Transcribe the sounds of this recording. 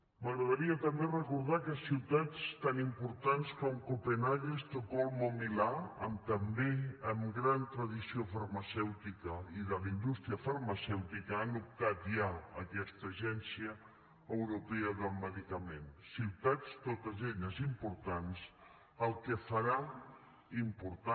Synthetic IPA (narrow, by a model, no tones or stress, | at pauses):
məɣɾəðəɾiət̪əmberəkuɾð̞akəsiwt̪at͡st̪animpuɾt̪anskɔmkupenaʎəst̪əkɔlˠmomilaə̰mt̪əmbeəmɡɾant̪ɾəðisiofəɾməsɛwt̪ikəiðəlind̪ust̪ɾiəfəɾməsɛwt̪ikəanup̚t̪at̪ʒaəkɛst̪əʒɛnsiə | əwɾupɛəðəlˠməðikəmensiwt̪at͡st̪ot̪əzeʎəzimpuɾt̪ans | əlˠkəfəɾa | impuɾt̪a